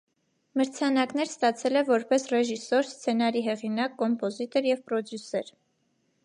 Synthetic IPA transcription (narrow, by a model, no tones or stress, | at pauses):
məɾt͡sʰɑnɑknɛɾst̪ɑt͡sʰɛlɛvɔɾpɛsrɛʒisɔɾst͡sʰɛnɑɾiɦɛʁinɑkːɔmpɔzit̪ɔɾjɛvpɾɔd̪jusɛɾ